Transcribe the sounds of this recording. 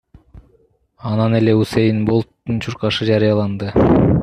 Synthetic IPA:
ɑnɑne̞le̞usejinbo̞lˠt̪ːunt͡ʃʰuɾqɑʃɯd͡ʒɑɾijɑlˠɑnd̪ɯ

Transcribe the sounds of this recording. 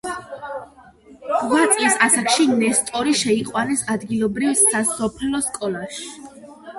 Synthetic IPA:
ʁat̪ʼisasakʰʃinɛst̪ʼɔɾiʃɛiqʼwanɛsad̪ɡilˠɔbɾivsasɔpʰlɔskʼɔlˠaʃi̥

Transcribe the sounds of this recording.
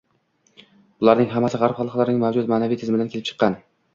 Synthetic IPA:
bʊlˠaɾnɪŋɦamːasɪʁɑɾpχɑlˠqʰlaɾɪnɪŋmavd͡ʒʊt̪maːnavijt̪ʰɪzmɪd̪ankʲelɪp̚t͡ʃʰɨ̥qːɑn

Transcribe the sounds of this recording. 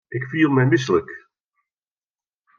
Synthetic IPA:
ʔɪkfiːlˠmɛjmɪs̬ələk

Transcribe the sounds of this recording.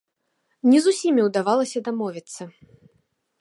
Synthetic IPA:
nʲɛzusʲimʲiwd̪avalˠɐsʲɐd̪amɔvʲit̪sːɐ

